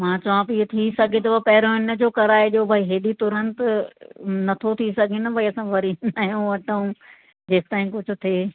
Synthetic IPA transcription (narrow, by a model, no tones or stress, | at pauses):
mãːt͡ɕɐʋãpit̪ʰisɐɡʱet̪̬ɐʋɐpɐɦɪɾõɪnə̆d͡ʑoːkɐɾaːeʄoːbʱaiɦeːɗit̪ʊɾənt̪ʊ | nɐt̪ʰot̪ʰisɐɡʱinɐbʱɐiɐsãʋɐɾinaːjũʋɐʈəũ | d͡ʑeːsɪt̪aːĩkʊd͡ʑʱʊ̆t̪ʰeː